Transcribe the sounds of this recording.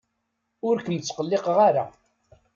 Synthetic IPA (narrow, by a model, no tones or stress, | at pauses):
ʊɾkənt͡sːqəlːɪqʁaɾa